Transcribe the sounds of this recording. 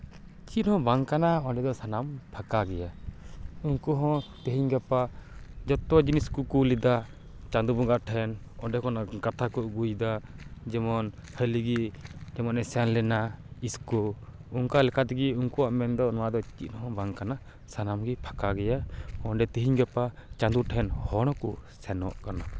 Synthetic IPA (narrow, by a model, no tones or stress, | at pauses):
t͡ʃiʔnhɔ̃baŋkanaɔɖɛd̪ɔsanampʰakaɡɛja | uŋkuɦɔ̃t̪əɦiɲɡɛpad͡ʒɔt̪ɔd͡ʒiniskukulid̪a | t͡ʃand̪ubɔŋɡaʔʈʰɛn | ɔɖɛkɔnakat̪ʰakɔʔɡujd̪ad͡ʒɛmɔnhəliɡid͡ʒɛmɔnɛsɛnlɛnaiskɔ | uŋkalɛkʰat̪ɛɡiuŋkuaʔmɛnd̪ɔnɔwad̪ɔt͡ʃit̪nhɔ̃baŋkana | sanamɡipʰḁkaɡɛjaɔɖɛt̪ɛɦiɲɡɛpat͡ʃãnd̪uʈʰɛnhɔɽ̃ɔ̃kɔsɛnɔ̰ʔkana